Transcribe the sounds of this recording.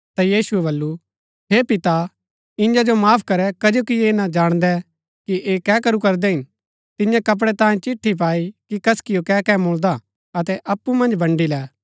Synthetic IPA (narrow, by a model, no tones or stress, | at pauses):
t̪ajiːsuɛbɐlːu | ɦeːpɪt̪a | ɪ̃nd͡ʒad͡ʒomaːpʰkɐɾɛkɐd͡ʒokieːnad͡ʒaːɽ̃d̪ɛ | kiʔeːkɛːkɐɾukɐɾd̪ɛɦɪ̃n | t̪ɪ̃njãkɐp̬ɽɛt̪ãːĩt͡ʃɪʈʰːip̬aːikikɐskɪjokɛːkɛmoːld̪a | ɐt̪ɛʔɐpːumɐ̃nd͡ʒbɐ̃ɳɖilɛː